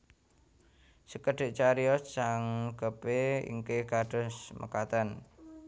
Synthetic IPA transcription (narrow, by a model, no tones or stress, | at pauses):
səkəɖ̥e̤ʔt͡ʃaɾiɔssaŋɡ̥əpeḭŋkekaɖ̥ɔ̤smʔə̰kat̪ən